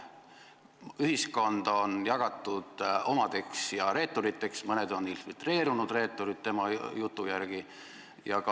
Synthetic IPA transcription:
yɦisko̞nd̪̥o̞njɑɡ̥ɑt̪ːˑud̪̥o̞mɑd̪̥e̞ksjɑɾe̞ːt̪ːˑoɾit̪ːˑe̞ksmɤne̞d̪̥o̞nːinfilt̪re̞ːɾunud̪re̞ːt̪ːˑoɾit̪̚t̪ːe̞mɑjut̪ːˑujæɾɡ̥i | jɑkɑ

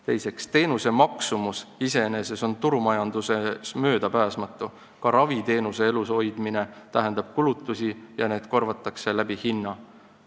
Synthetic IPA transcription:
t̪e̞̰jse̞kst̪e̞ːnuse̞mɑksumusise̞ene̞se̞so̞nt̪uɾumɑjɑnd̪use̞smø̞ːd̪̥ɑpæːsmɑt̪ːˑu | kɑɾɑvit̪e̞ːnuse̞eluso̞jd̪̥mine̞t̪æɦend̪̥ɑb̥̚kulut̪ːˑusijɑne̞ːd̪̥ko̞rvɑt̪ːˑɑkse̞læb̥ihinːɑ

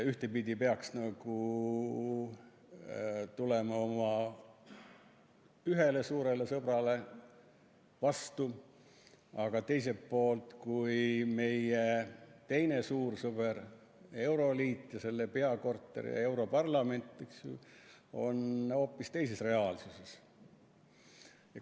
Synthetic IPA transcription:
yht̪e̞pid̪̥ʲipeɑksnɑɡ̥u | t̪ule̞mɑo̞mɑ | yɦe̞le̞suːɾe̞le̞sɤb̥rɑle̞ | vɑst̪u | ɑɡ̥ɑt̪e̞js̬e̞pːo̞ːlt̪kujme̞jet̪e̞jne̞suːrsɤb̥eɾ | e̞wɾo̞liːt̪ːjɑse̞lːepe̞ɑko̞rt̪ːˑḛɾḭjɑ̰e̞wɾo̞pɑrlɑme̞nt̪ːˑiks | o̞̰no̞ːpːist̪e̞jse̞sre̞ɑːlsuse̞s

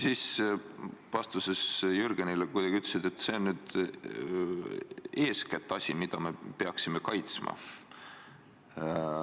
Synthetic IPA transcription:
siːs | vɑst̪use̞sjyɾɡ̥enilekujd̥̪ɑɡ̥ʲiyt̪lesid̪̥et̪ːˑse̞onnyːd̪̥ | e̞ːskæt̪ːˑɑsʲimid̪̥ɑme̞pe̞ɑksime̞kɑjt̪smʔɑ̰

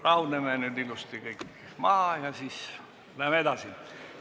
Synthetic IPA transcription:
rɑunemænyd̪ilust̪ikɤikː | mɑhɑjɑsis | læmed̪ɑsin

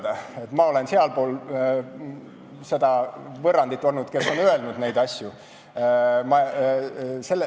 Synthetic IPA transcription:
d̪̥ɑe̞t̪ːˑmɑo̞le̞nseɑlpoːl | se̞d̪ɑvɤrːɑnd̪it̪ːˑo̞lnud̪̥ke̞sːo̞nøe̞lnud̪̥ne̞jd̪̥ɑsʲju | mɑ | se̞lːe

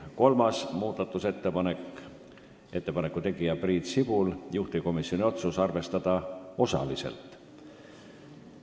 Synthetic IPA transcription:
ko̞lmɑsmuːd̪ɑt̪ːˑuset̪ːˑepɑnek | e̞t̪ːe̞pɑnekːˑut̪e̞ɡ̥ijɑbriːt̪sib̥uljuht̪iko̞misːionʲio̞t̪susɑrve̞st̪ɑd̪̥ɑo̞sɑ̰lise̞̰lt̪ˑ

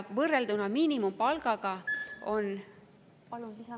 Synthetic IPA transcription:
vɤrːeld̪unɑmiːnimumpɑlɡ̥ɑɡ̥ɑo̞n

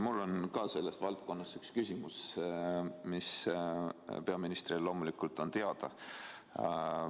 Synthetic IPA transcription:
mulːo̞nkɑse̞lːe̞st̪vɑlt̪̚ko̞nːɑst̪ykskysʲimus | mis | pe̞ɑminist̪rillo̞ːmulikult̪ːˑo̞nt̪e̞ɑd̪̥ɑ̰

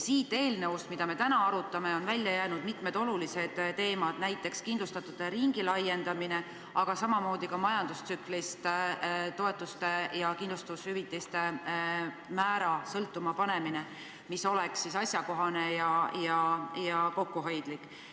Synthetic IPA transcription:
siːt̪ːˑe̞ːlneust̪mid̪̥ɑme̞t̪ænɑɑɾut̪ːˑɑme̞o̞nvælʲːjɑjæːnud̪̥mit̪me̞d̪o̞lulise̞d̪̥t̪e̞ːmɑd̪̥næjt̪ːˑe̞kskind̪lust̪ɑt̪ːˑud̪̥eɾiŋɡ̥ilɑje̞nd̪̥ɑmine̞ | ɑɡ̥ɑsɑmɑmo̞ːd̪̥ikɑmɑjɑnd̪̥ust̪syklist̪t̪o̞e̞t̪ːˑust̪e̞jɑkind̪lust̪ɑushyvit̪ːˑist̪e̞ | mæːɾɑsɤlt̪ːˑumɑpɑne̞mine̞ | miso̞lɛksːisɑsʲjɑko̞ɦɑne̞jɑjɑjɑko̞kːuɦo̞jd̪̥likːˑ

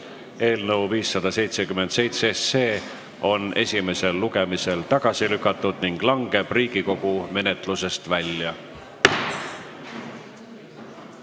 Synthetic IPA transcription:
e̞ːlnɤwviːsːɑd̪̥ɑse̞jt̪sekymːe̞nd̪̥se̞jt̪sese̞ː | o̞ne̞̰sʲime̞se̞lːuɡe̞mise̞lt̪ɑɡ̥ɑsilykːˑɑt̪ːˑud̪̥niŋɡ̥lɑŋɡ̥e̞b̥riːɡ̥iko̞ɡ̥ume̞net̪luse̞st̪vælʲjɑ

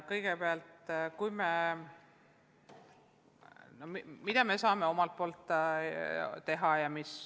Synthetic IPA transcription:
kɤjɡ̥epeɑlt̪kujme | no̞mimid̪̥ɑme̞sɑːme̞o̞mɑlt̪̚po̞ːlt̪ːˑ | t̪ːe̞ɦɑjɑmis

